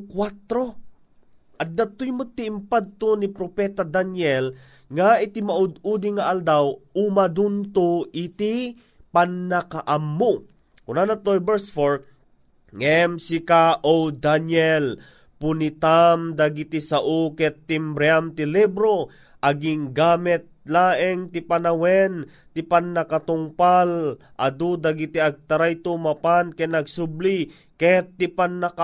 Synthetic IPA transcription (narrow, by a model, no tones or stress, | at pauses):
kwat̪ɾo | ʔɐt̪̚d̪at̪ʊjmʊt̪ːiːmpad̪̚t̪onipɾopɛt̪ad̪anjɛl | ŋaɪt̪ɪmaʔʊd̪ud̪ɪŋaʔald̪awumad̪unt̪oʔɪt̪i | panːakaʔamːo | kʊnanat̪ojbɛɹsfoɹ | ŋɛmsɪkaʔowd̪anjɛl | pʊnit̪amd̪aɡit̪isaʔukɛt̪ːimbɾɛamt̪ɪlibɾo | ʔɐɡɪŋɡaːmɛt̪̚laːʔɛŋt̪ɪpanawɛn | t̪ɪpanːakat̪ʊŋpalʔad̪ud̪aɡit̪iaɡ̚t̪aɾajt̪umapankɛnɐɡsʊbli | kɛt̪ːɪpanːaka